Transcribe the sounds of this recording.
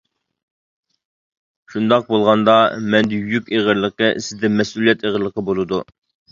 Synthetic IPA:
ʃund̪ɑq̚bolˠʁɑnd̪ɑmɛnd̪ɪjykʲeʁəɾlˠəqəsɪzd̪ɛmɛsulijɛt̪ʰeʁəɾlːˠəqʰəbolˠɨd̪u

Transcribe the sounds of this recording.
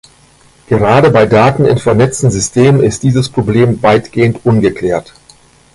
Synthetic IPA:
ɡ̥əʁaːdəbaɪdaːtn̩ɪ̰nfɛɐnɛt͡stn̩zʏstʰeːmnɪst̚d̥iːzəspʁ̥obleːmvaɪtɡ̥eːəntʔʊnɡəkl̥ɛːɐt

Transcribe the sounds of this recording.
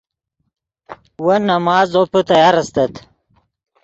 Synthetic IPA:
wənɐmɑːzoput̪ɐjɑːɾɐst̪ɐt̪

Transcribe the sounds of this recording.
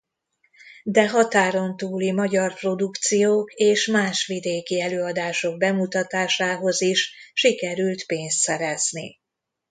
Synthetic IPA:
d̪ɛɦɒt̪aːɾo̞nt̪uːlimɒɟɒrpro̞d̪ukt̪sijoːkeːʃmaːʃʋid̪eːkiɛløːɒd̪aːʃo̞ɡ̚bɛmut̪ɒt̪aːʃaːɦo̞ziʃʃikɛɾylt̪peːnst̪sɛɾɛznḭ

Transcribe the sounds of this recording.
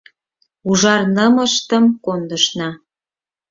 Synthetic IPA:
uʒɑrnəməʃt̪əmkond̪əʃnɑ

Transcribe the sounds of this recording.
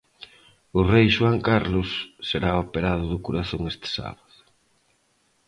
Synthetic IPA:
ʊrejʃwaŋkaɾlʊsːeɾaopeɾaðʊðʊkoɾaθoŋest̪ɪ̥sa̰βaðʊ

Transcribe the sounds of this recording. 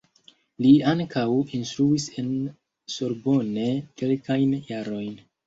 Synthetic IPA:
liaŋkawinst̪ɾuise̞n | soɾbo̞ne̞kelkajnjaɾo̞jn

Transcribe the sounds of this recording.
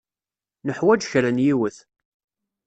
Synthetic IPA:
nəħwæd͡ʒçɾænjiwəθ

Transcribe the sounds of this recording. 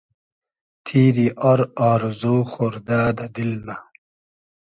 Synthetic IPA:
t̪ʰiːɾiʔɐɾaːɾzuːxoɾd̪aːd̪ɐd̪ilma

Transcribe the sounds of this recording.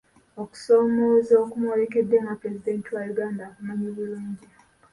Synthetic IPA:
oku̥so̞ːmozoːkumwolekedːeŋɡapɾe̞zideːntiwajuɡaːndakumaɲoβuluːɲɟi

